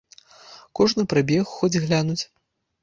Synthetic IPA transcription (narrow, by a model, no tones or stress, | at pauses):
kɔʐnɨpɾabʲɛxːɔd͡zʲɣlʲanut͡sʲ